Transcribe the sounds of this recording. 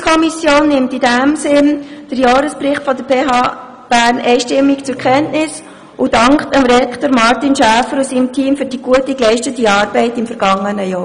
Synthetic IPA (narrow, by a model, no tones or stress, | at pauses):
kʰɔmisjoːnːɪmtidæmsɪnd̥əɾjɑːɾəsprɪχtfɔdəɾb̥eːɦɑː | b̥æːɾnɛɪʃtɪmːikt͡sʊɾkχɛntnɪs | ud̥ɑŋktəmɾɛkʰtəɾmɑɾtinʃæːfəɾusiːmtʰiːmfyːɾd̥iɡ̥uətiklɛɪʃtətiɑːɾb̥ɛɪtɪmfəɾɡ̥ɑŋːənəjɔː